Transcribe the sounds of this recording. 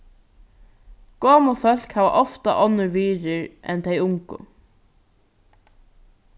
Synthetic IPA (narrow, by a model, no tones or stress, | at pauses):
ɡ̥oːmɔfœl̥khæːʋa̰ʔɔft̪a̰ʔɔnːəɹʋiːɾɪɹʔɛ̰nt̪ʰejʊŋkʊ̰